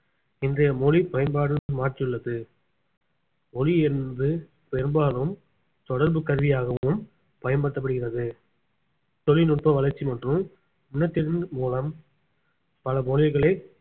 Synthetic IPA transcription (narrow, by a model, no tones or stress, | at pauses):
ɪndrɐjɐmolipɐjɐnbaːɽɯmaːʈrɪjɯɭːɐðɯ | ɔliɛnnd̪ɯ | pɛɾɯmbaːlɯm | t̪ɔɽɐɾbɯkɐɾʋɪjaːɣɐɯm | pɐjɐnbɐɽʈ̪ːɐpːɐɽɯɣɪrɐðɯ | t̪ɔlːinʊʈ̚pɐʋɐlɐɾt͡ʃːimɐʈrɯm | ʊnːɐt̪ːɪɾɯnmuːlɐm | pɐlɐmoːlɪɣɐɭɐɪ